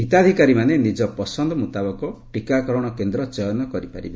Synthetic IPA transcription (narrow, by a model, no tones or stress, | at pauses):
ɦit̪ad̪ʱikaɾimanenid͡ʒɔpɔsɔnd̪ɔmut̪abɔkɔʈikakɔɾɔɽ̃ɔkend̪ɾɔt͡ʃɔjɔnɔkɔɾipa̰ɾḭbe